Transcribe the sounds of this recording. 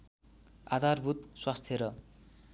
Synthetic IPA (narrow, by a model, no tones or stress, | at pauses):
a̰d̪ʱarbʱut̪swast̪ʰjʌɾʌ